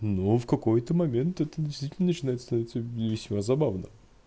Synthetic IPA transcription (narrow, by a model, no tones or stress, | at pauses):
nofkɐko̞jt̪əmɐmʲe̞nt̪ɛt̪ədʲɪst̪vʲitʲɪlnənət͡ɕɪnajt̪st̪ɐnɐvʲit̪səvʲɪsʲmazɐbavnə̰